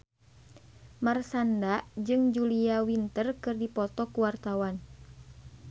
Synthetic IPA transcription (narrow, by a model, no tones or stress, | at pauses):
marsandad͡ʒɨŋd͡ʒuliawint̪ərkɨrdipɔt̪ɔkuwart̪awan